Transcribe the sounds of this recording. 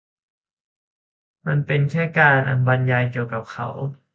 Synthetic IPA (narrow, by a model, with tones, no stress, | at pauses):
ma˧npe˧nkʰɛː˥˩kaː˧nʔa̰˧nba˧nja˧jki˨˩əwka˨˩p̚kʰa̰˨˩˦w